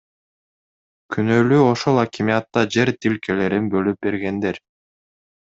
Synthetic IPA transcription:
kʰynølyo̞ʃolˠakʲimijat̪ːɑd͡ʒe̞ɾt̪ilkele̞ɾinbø̞lyp̚be̞ɾɡe̞nd̪e̞ɾ

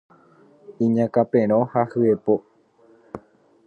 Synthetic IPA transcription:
ĩɲãkapẽɾ̃õhahɨepo

